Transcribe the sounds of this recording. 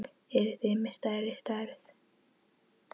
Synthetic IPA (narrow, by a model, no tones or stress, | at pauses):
ɛɾθɪmɪst̪ajɾɪst̪aɾθ